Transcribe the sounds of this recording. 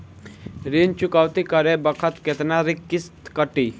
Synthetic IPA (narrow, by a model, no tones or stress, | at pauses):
ɾint͡ʃʊkaːwt̪ikəɾebəkʰət̪ket̪naɾikːɪst̪kəʈi